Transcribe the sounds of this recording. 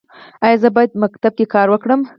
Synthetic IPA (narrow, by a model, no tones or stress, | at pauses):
ɑjɑzəbɑjad̪makt̪ab̚kekɑɾwəkɽəm